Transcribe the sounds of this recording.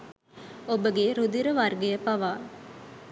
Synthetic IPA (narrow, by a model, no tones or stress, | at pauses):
obəɡeɾud̪iɾəʋɐrɡejəpɐʋaː